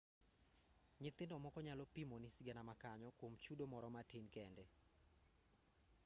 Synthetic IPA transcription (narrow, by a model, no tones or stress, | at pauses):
ɲɪt̪ɪndɔmɔkɔɲalɔpimɔnɪsɪɡɛnamakaɲɔkwomt͡ʃudomɔɾɔmatinkɛndɛ